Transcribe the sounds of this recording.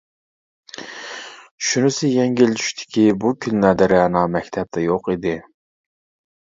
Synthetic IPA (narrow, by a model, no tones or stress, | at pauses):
ʃunɪsɪjɛŋɡʲilt̪ʰy̥ʃt̪ʰɪ̥kʲʰibukʲʰynlæd̪ɪɾɪɑnɑmɛkʲt̪ʰɛp̚t̪ʰɛjoqid̪ɪ